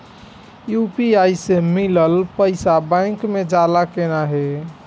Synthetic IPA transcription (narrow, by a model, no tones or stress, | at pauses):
jupiajsemiləlpəɪsabãɪ̃kmed͡ʒalakenaɦe